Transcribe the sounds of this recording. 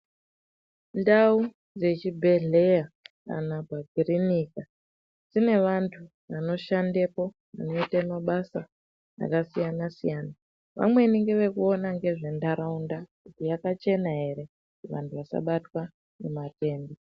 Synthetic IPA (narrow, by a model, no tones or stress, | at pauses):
ndau | d͡ze̞t͡ʃibʱe̞ɮe̞jaka̰nabʱaɡʱirinika | d͡zine̞ʋantʰu | ʋano̞ʃandepo̞ | ʋa̰no̞itamaɓasa | a̰kasijanasijaːna | ʋa̰mwe̞niŋɡeʋe̞kuo̞naŋɡe̞ʐe̞ndaɾaundakutijakat͡ʃe̞naɦe̞ɾe̞ | ʋa̰ntʰuʋasa̰ɓatwa | nemate̞ːndi